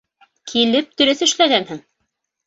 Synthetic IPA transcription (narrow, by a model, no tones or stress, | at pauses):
kʰilɘp̚t̪ɵ̆ɾɘθɘ̆ʃlæɡænhɘŋ